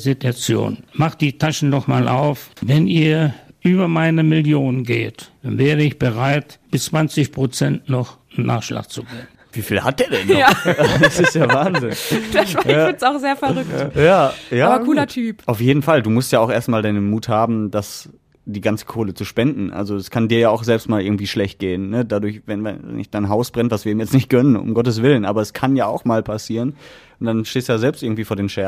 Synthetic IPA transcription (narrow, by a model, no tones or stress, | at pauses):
zituat͡sjo̰ːnmaχtd̥iːtʰaʃn̩nɔχmaːlʔa̰ʊfvɛnʔiːɐʔyːbɐmaɪnəmɪljoːnənɡḛːtd̥anvɛːʁəɪçb̥əʁaɪtb̥ɪst͡sv̥ant͡sɪçpʁ̥ot͡sɛntnɔχ | nnʔa̰ːχʃla̰ːk̚t͡suɡeːənv̥iːfiːlhat̚d̥eːɐdɛn | asɪstjaːvaːnzɪnd̥ḁaaːɪnsaʊxz̥eːɐfɛʁʏktjaːjaːaːbɐkʰuːlɐtʰyːpʔaʊfjeːdn̩falduːmʊstjaːaʊxʔeːɐstmaːldaɪnənmuːthaːbm̩das | d̥iːɡant͡sə̥kʰoːlət͡suʃpɛndn̩ʔa̰lzoɛskʰandiːɐjaːaʊxz̥ɛlpstmaːlʔɪɐɡŋ̩tv̥iːʃlɛçt̚ɡ̥eːənːədadʊɐçvɛnvɛɛ̰nʔɪçd̥aɪnɦaʊsb̥ʁɛntv̥asv̥iːiːmjɛt͡stnɪçt̚ɡ̥œnənʊ̰mɡɔtəs̬v̥ɪlənʔa̰ːbɐɛskʰanjaːaʊxmaːlpʰasiːʁən | ʊnd̥anʃteːstujaːzɛlpstʔɪɐŋ̩tv̥iːfoːɐdeːmʃɛɐ